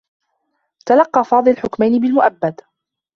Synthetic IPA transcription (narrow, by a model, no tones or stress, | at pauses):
t̪alɑqːɑːfɑːd̪ˤɨlħʊkmajnɪbɪlmʊʔabːad̪